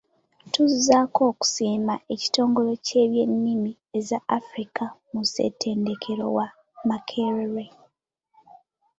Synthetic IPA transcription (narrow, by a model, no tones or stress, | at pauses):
tuzzako̞ːku̥siːmaʔe̞ci̥to̞ːŋɡo̞lo̞ce̞ːβje̞nːimi | e̞zaːfɾikamuse̞̰tʰe̞ːnde̞kʰe̞ɾo̞̰wa | makʰeɾeɾe